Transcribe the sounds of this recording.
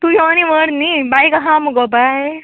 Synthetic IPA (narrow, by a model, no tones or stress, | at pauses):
t̪ujɔñiʋəɽnibajkaɦãmuɡɔbaj